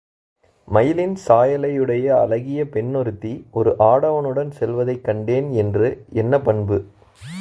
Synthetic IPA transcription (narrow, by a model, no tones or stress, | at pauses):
mɐjɪlɪnsaːjɐlɐjɯɽɐjɐɐlɐɣɪjɐpɛɳːɔɾɯt̪ːiʔɔɾɯʔaːɽɐʋɐnɯɽɐnsɛlʋɐðɐɪkːɐɳɖeːnɛndrɯɛnːɐpɐɳbɯ